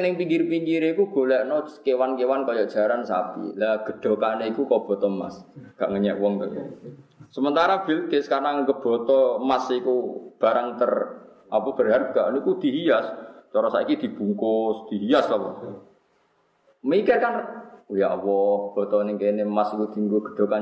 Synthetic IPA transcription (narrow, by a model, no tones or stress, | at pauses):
nɪŋpiŋkirpiŋkiɾeikuɡ̥o̤lɛʔnɔkewankewankɔjɔʔd̥ʒ̥a̤ɾansa̰pḭlaɡ̥ə̤ɖ̪̥ɔ̤kaneikukɔb̥ɔ̤t̪ɔma̰sɡ̥aʔŋəɲɛʔwɔŋt̪əjɔ̰səmənt̪aɾab̥ilk̪ɪskarnaŋəɡəb̥ɔ̤t̪ɔmasikub̥a̤ɾaŋt̪ər | ʔapəb̥ərɦarɡ̥aʔnikud̪̥i̤ɦijast͡ʃ̪ɔɾɔsa̰ikid̪̥i̤b̥ṳŋkʊsd̪̥i̤ɦijaslawɔ̰ | mikɪrkanujaʔwɔhb̥ɔ̤t̪ɔneŋkenemasikud̪̥i̤ŋɡuɡ̥ə̤̥ɖ̪̥o̤ka